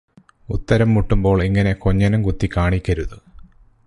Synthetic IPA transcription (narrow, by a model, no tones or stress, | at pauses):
ut̪ːɐɾɐmːuʈːumbo̞ːɭiŋːɐne̞ko̞ɲːɐnɐmkut̪ːikʲːaːɳikʲːɐɾuðu